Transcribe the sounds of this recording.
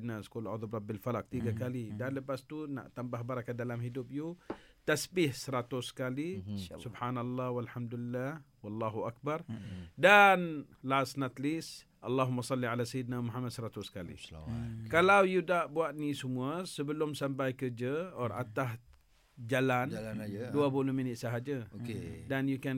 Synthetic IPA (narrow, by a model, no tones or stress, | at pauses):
d̪nasə̥kolʔaðubrɑbilfalak̚t̪iɡakalidanləpast̪una̰ʔt̪ambaɦbaɾakandalamhidʊp̚jut̪asbɪhsəɾat̪ʊsə̥kalissubħanalˤːahwalħamd̪ulilːah | wɑlːaɦuak̚bardanlasnat̪lis | ʔalːaɦumːasˤɑlːiʕalasajid̪nawmuɦamad̪̚səɾat̪ʊskalḭkalawjudaʔbuat̪̚nisəmũasəbəlʊmsampajkərd͡ʒəɔra̰t̪as | d͡ʒalanduapulohminɪt̪̚səɦad͡ʒəokedanjukɛn